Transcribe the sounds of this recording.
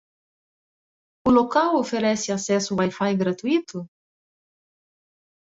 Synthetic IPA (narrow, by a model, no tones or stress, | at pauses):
ʊlokawofeɾɛsɪasɛsuwajfajɡɾat̪uit̪ʊ